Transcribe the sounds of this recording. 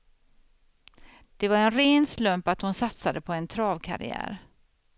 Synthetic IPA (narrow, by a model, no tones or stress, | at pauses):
d̪̥ɛvaɾɛnɾeːnslɵmpat̪hʊnsat̪sad̪əpʰɔɛnt̪ʰɾɑːvkʰa̰ɾɪ̰æ̰ːɾ